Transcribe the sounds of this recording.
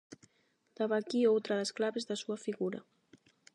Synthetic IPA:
d̪̥aβakiowt̪ɾaðesklaβezðasuafiɣuɾa̰

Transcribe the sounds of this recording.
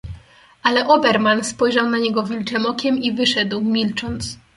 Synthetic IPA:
alɛʔɔbɛɾmanspɔjʐawnaɲɛɡɔvʲilt͡ʂɛmɔkʲɛmivɘʂɛd̪wmʲilt͡ʂɔnt̪s

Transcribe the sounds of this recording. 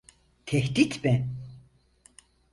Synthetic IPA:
t̪ʰɛhd̪it̪bɛn

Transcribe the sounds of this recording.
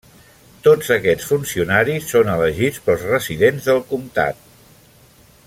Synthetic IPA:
t̪od͡zəkɛt͡sfunsiunaɾisːonələʒit͡spəlˠzrəziðenzðəlˠkumt̪a̰t̪̚

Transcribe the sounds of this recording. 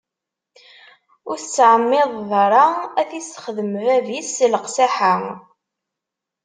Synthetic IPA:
ʊɾθt͡sːʕəmːɪðˤðˤəɾˤɑæθisχəðəmvævisːləqsaħa

